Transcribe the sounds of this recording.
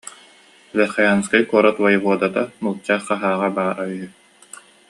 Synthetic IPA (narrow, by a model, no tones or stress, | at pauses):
lɛɾχɑjaːnskajkuɔɾɔt̪wajʁuɔd̪at̪amulˠt͡ɕːaːχːaɦaːʁabaːɾayɦy